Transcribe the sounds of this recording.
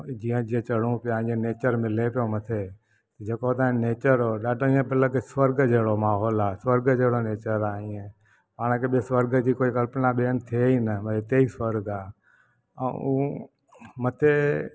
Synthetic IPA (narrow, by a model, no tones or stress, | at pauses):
d͡ʒiːə̃d͡ʒiẽt͡ʃəɽũːpɪjãːẽneːt͡ʃəɾmɪlepɪjoːmət̪ʰeː | t̪d͡ʒeːkot̪ãneːt͡ʃəɾoːɗaːɖʱoĩːẽbələɡswəɾɡd͡ʒeːɽoːmaːɦoːlaːswəɾɡd͡ʒeːɽoːneːt͡ʃəɾaːĩːẽ | paːɽ̃keɓesʋəɾɡəd͡ʑiːkoːikəlpnaːɓeːnt̪ʰieiːnəməiːt̪eːiːsʋəɾɡaː | ə̰̃ũː | mət̪ʰeː